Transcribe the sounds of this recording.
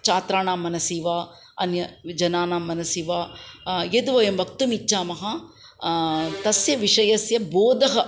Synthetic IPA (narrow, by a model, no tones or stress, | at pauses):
t͡ʃaːt̪ɾaːɳaːmːɐnɐsiːʋaː | ɐnjɐd͡ʒɐnaːnaːmːɐnɐsiːʋaːjed̪uʋɐjɐmʋɐk̚t̪umit͡ʃːt͡ʃaːmɐɦɐ | t̪ɐsjɐʋiʂɐjɐsjɐboːd̪ɐɦɐ